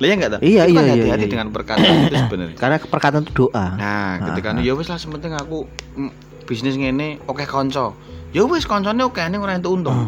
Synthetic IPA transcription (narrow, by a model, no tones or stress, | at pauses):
lajaŋɡaʔt̪aijaijaaj̪iɦat̪idəŋanpərkat̪ansəbənə̰rkarnapərkat̪ant̪ud̪̥o̤ʔanaka̰əikanujowɪslahsəmpənt̪ɪŋaku | b̥isnɪsŋeneokɛhkɔɲt͡ʃɔ | jowɪskɔɲt͡ʃɔneokɛnɪŋoɾaint̪uunt̪ʊŋ